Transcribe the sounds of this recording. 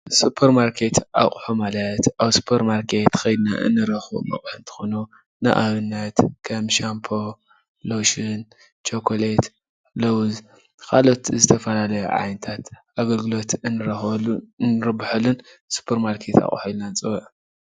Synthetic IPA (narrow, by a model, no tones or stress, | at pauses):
supʰːeɾmaɾkʰe̞t̪ʰʔa̰χʼħumalɐt̪ʔaβsu̥pʰeɾmaɾkʰe̞t̪xɐjd̪na̰ʔɨ̰nːɨɾɐxbo̰mɐ̰χʼħɨnt̪ʰɨ̥xonu | na̰ʔaβɨnːɐt̪kʰɐmʃampʰo | loʃin | t͡ʃʰokʰolet̪ | lɐwz | kʰalo̞t̪zɨt̪ʰɐfɐlalɐjṵʕa̰jnɨt̪ʰat̪ʔaɡɐlɡɨlo̞t̪ɨnɨɾɐnɨɾɐbħɐlunsu̥pʰːeɾmaɾkʰe̞t̪a̰χʼħuilnant͡sʼɐwʕ